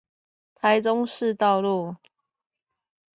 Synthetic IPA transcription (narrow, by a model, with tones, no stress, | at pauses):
t̪ʰa˨˦ɪʈ͡ʂʊ˦ŋʂɻ̩˥˧t̪ɑ˥˨˧ʊlu˥˨